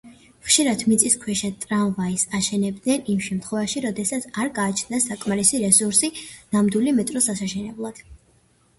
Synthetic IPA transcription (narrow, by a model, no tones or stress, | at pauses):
χʃiɾad̪ʰmit̪sʼiskʰwɛʃat̪ʼɾavvaisaʃɛnɛb̚d̪nɛnimʃɛmt̪ʰχwɛvaʃiɾɔd̪ɛsat̪sʰaɾɡaːt͡ʃʰnd̪asakʼmaɾisiɾɛsuɾsinamd̪ilimɛt̪ʼɾɔsasaʃɛnɛblˠad̪̥